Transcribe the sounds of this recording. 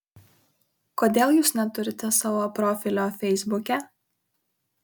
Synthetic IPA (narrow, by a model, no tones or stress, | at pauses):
koːd̪ʲeːlˠjuːsnʲɛt̪ʊɾʲɪt̪ʲɛsɑʋoːpɾɔːfʲɪlʲoːfʲɛɪzbʊkʲɛ